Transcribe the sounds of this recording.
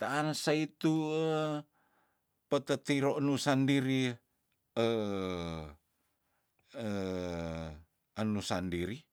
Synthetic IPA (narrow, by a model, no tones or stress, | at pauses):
t̪aansait̪uə | pət̪ət̪iɾonusandiɾi | ə | ə | ənusandiɾi